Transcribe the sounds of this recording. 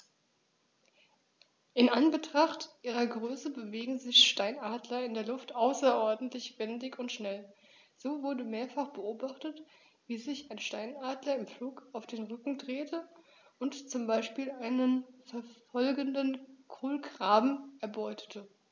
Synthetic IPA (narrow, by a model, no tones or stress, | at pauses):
ʔɪnʔanbətʁ̥aχtʔiːʁɐɡʁøːsəbəveːɡŋ̩zɪçʃtaɪnaːdlɐɪndeːɐlʊftʔaʊsɐʔɔɐdn̩tʰlɪçv̥ɛndɪçʊntʃnɛl | z̥oːvʊɐdəmeːɐfaχb̥əoːbaχtət | v̥iːzɪçaɪnʃtaɪnaːdlɐɪmfluːkaʊfd̥eːnʁʏkŋ̩dʁeːtʰə | ʊntt͡sʊmbaɪʃpiːlʔaɪnənfɛɐfɔlɡəndənkʰoːlɡʁ̥aːbm̩ɛɐbɔʏtʰə̥tʰə